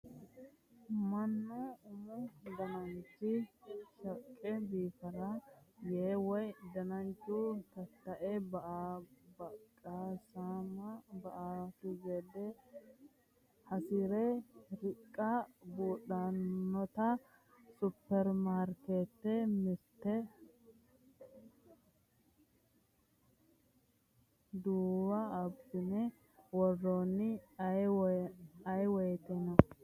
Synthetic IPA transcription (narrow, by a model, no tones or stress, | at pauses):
mɐnːɔʊmʊd̪ɐnɐnt͡ʃːɪʃɐkʼːɛbiːfɐɾɐjeːwɔjd̪ɐnɐnt͡ʃːut̪ɐt̪ːɐʔɛbɐʔbɐkʼaːsaːmɐbɐʔatʊzed̪ɛ | hɐsiɾɛɾɪkʼːɐbuːɗanːɔt̪ɐ | sʊpːɛɾmaːɾket̪ːɛmɪɾt̪ɛ | d̪uːwɐbsɪnɛ | wɔrːoːnːɪ | ɐjwɔjɛt̪ɛnɐ